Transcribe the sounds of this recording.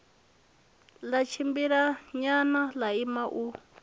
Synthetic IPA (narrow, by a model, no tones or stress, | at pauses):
lat͡ʃʰimbiɾaɲanalaimaʔu